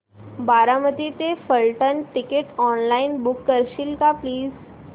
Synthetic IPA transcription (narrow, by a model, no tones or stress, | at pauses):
baɾaməd̪it̪efəlʈənʈikeʈɔnlainbukːəɾɕilkapliːz